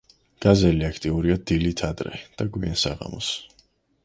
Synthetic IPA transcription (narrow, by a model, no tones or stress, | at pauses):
ɡ̥azɛliakʰt̪ʼiuɾiad̪ilit̪ʰad̪ɾɛ̰d̪̥aɡwiansaʁa̰mɔs